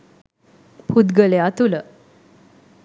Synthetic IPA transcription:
pʰud̪ɡəleat̪ulə

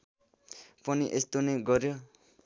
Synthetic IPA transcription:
pʌniʔest̪oneɡʌɾjo

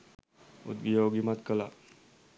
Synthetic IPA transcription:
ṵd̪̚bijoɡimat̪kəla̰

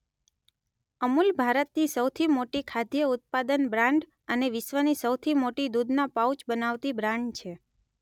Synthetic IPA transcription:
əmulbʱaɾət̪nisəwt̪ʰimoʈikʰad̪jəʊt̪̚pad̪ənbɾãɳɖ | əneʋɪʃʋənisəwt̪ʰimoʈid̪ud̪napaut͡ʃbənaʋt̪ibɾãɳɖt͡ʃʰe

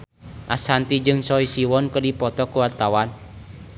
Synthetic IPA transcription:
ʔasant̪id͡ʒɨŋsɔisiwɔnkərdipɔt̪ɔkuwart̪awan

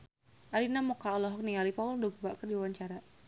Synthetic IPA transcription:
ʔaɾinamukaɔlɔɦɔk̚nialipaʊldoɡubaʔkərdiwaɲt͡ʃaɾa

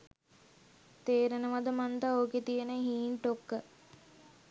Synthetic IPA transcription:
t̪eːɾenəʋad̪əmant̪aoːket̪ijənəɦiːnʈokːə

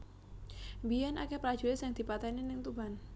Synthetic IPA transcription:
biɛnʔa̰kepɾḁʒ̥uesɪŋd̪̥i̤pat̪ɛninɪŋt̪uban

